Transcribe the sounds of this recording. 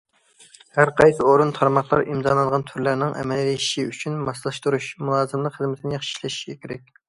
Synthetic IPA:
hæɾqʰɑjsɨoɾunt̪ʰɑɾmɑχlˠɑ̰ɾimzɑlˠɑnʁɑnt̪ʰyɾlæɾnɪŋʔɛ̰mɛlliiʃiyt͡ʃʰynmɑslˠɨʃt̪uɾuʃmulˠɑːzɨmlˠəqχəzmɪt̪ʰɪnɪjɑχʃi̥ʃlˠɑʃi̥ɡʲɛkʲʰeɾɛk̚ʲ

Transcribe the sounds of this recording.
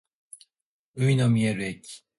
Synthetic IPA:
ɯinomʲie̞ɾɯekʲi̥

